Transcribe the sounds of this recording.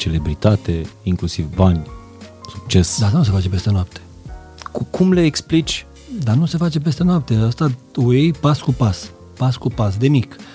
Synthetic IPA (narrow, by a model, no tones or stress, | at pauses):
t͡ʃe̞le̞bɾit̪at̪e̞iŋklusivbanʲ | suk̚t͡ʃe̞sd̪ast̪anus̬e̞fat͡ʃe̞pe̞st̪e̞noap̚t̪ʰe̥ | kʰumleːksplit͡ʃʲ | d̪anuse̞fat͡ʃe̞p̬e̞st̪e̞noap̚t̪eəst̪a | uejpaskupas | paskupas̬d̪e̞mik